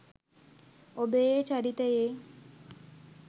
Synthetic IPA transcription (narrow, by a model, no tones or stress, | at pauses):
obejet͡ʃaɾit̪əje